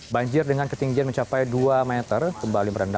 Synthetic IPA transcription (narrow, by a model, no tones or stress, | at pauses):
baɲd͡ʒɪrdəŋankət̪iŋɡianməɲt͡ʃapajduamɛt̪ərkəmbaliməɾənda